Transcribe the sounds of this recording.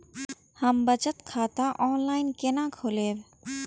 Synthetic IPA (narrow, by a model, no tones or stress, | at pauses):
həmbət͡ʃət̪kʰaːt̪ãʔɔːnlaːɪnkenãkʰoːleːb